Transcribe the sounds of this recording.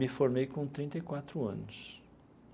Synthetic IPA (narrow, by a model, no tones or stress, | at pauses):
mɪfoɾmejkõt̪ɾĩnt̪ɐjkwat̪ɾʊɐ̰̃nʊs